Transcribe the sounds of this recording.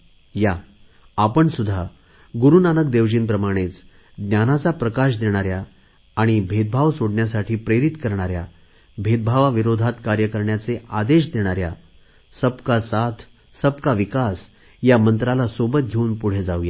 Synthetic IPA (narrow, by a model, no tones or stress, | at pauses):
jaː | pəɳsud̪ʱːa | ɡuɾunanək̚d̪eʋd͡ʑiːnpɾəmaɽ̃et͡s | d̪njanat͡sapɾəkaɕ̬d̪eɽ̃aɾjaː | ɽ̃ibʱed̪̚bʱaʋsoɽɳjasaʈʰiːpɾeɾit̪kəɾɳaɾja̰ | bʱet̪̚bʱaʋaʋiɾod̪ʱat̪kaɾjəkəɾɳjat͡seʔad̪eɕ̬d̪eɽ̃aɾja̰ | səbkasat̪ʰ | səb̚kaʋikas | jamənt̪ɾalasobət̪̚ɡʱeuːnpuɽ̤ed͡zauja